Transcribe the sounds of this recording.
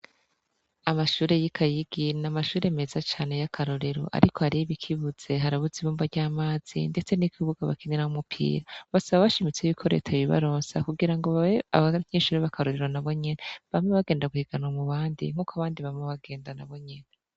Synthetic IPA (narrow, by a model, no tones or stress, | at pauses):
amaʃuːɾe̞jikʰajiɡinamaʃuːɾe̞me̞zat͡ʃaːne̞jakʰaɾo̞ɾe̞ɾo̞̰ʔa̰ɾikʰo̞haɾiβikʰiβuz̥e̞ɦaɾaβuziβuːmbaɾɟaːmaːz̥ḭnde̞t͡se̞nikʰiβuɡaβa̰kininahumupʰḭːɾaβasaβaβaʃimit͡seiβikʰo̞ɾḛtʰaβiβa̰ɾo̞ːnsa̰kuɡiɾaŋɡoaβaɲiʃuːɾeβakʰaɾo̞ɾe̞ɾonaβo̞ɲe̞neβaɾimŋeβaɡe̞ːndaɡuhiɡ̥anwamuβaːndḭŋ̥uːkaβaːndiβaɾimeβaɡe̞ːndanaβo̞ɲe̞ne